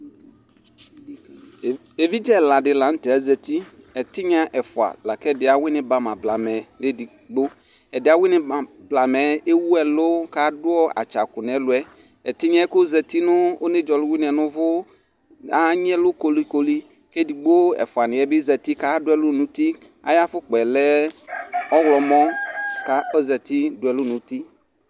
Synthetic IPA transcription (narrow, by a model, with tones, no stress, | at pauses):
e˨vi˦d͡ʒɛ˦la˨dɪ˨la˨n̩˦tɛ˨a˦zɛ˨ti˦ | ɛ˨tɪ˦ɲ˦a˦ʔɛ˨fʊ˨a̰˨la˨kɛ˦˨dɪ˨a˨wɪ˦nɪ̃˨ba˨mã˨bla˨mɛ˨dɪ˦di˨ | ɡ͡bo˦ | ɛ˨dɪ˦a˨wɪ˦nɪ̃˦a˨ | bla˨mɛ˨˦e˦wu˦ɛ˨lʊ˦ka˦dʊ˦ɔ˦a̰˨t͡ʃa˨kʊ˨n˨ɛ˨˦lʊ˨ɛ˦ | ɛ˨t̪ɪ˦ɲɛ̃˦ko˦zɛ˨t̪i˦nʊ˦o˦ne˦d͡ʒɔ˨lʊ˦wi˦n˨ɛ˨nʊ̃˦vʊ˦ | a˦ɲ˦ɛ˦lʊ˦ko˨li˦ko˦li˦ | ke˦di˨ɡ͡bo˦ɛ̰˨fʊ˨a˨nɪ̃˨ɛ˦bɪ˦zɛ˨t̪i˦ka˦dʊ˦ɛ˦lʊ˦nũ˨t̪i˦ | a̰˨ja˦fʊ˦k͡pɛ˨lɛ˦ | ɔ˦wlɔ˨mɔ̃˦ka˦o˦zɛ˨t̪i˦dʊ˨˦ɛ˨lʊ˦nũ˨t̪i˦